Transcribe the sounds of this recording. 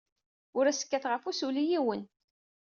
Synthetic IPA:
ʊɾæsə̥kːæθʁəfusulijiwən

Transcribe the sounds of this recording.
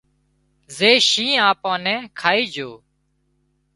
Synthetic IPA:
zeːʃĩːãːpãːnɛ̃ːkʰaːiːd͡ʒʱoː

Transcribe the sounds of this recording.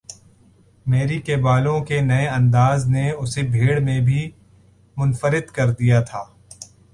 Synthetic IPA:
meːɾikebaːlõkenɐeɐ̃nd̪aːzneʊsebʱeːɽmẽbʱi | mʊnfəɾɪd̪kɐɾd̪ijat̪ʰaː

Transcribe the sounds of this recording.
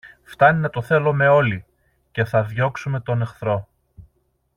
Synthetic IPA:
ft̪ɐninɐt̪o̞θe̞lo̞me̞o̞li | ce̞θɐðʝo̞ksume̞t̪o̞ne̞xθɾo̞

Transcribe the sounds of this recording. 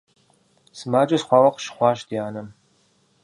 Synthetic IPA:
sɨmaːd͡ʒʼɐsχʷɑːwɐqʃχʷɑːʃdijaːnɐm

